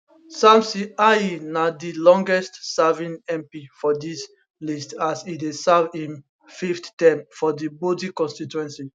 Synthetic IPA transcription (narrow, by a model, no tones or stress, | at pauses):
sãmsiainadilɔ̃ŋɡɛstsavĩnɛ̃mpifɔdis | listasidesavĩn | fifttɛ̃mfɔdibodikɔ̃nstituɛ̃nsi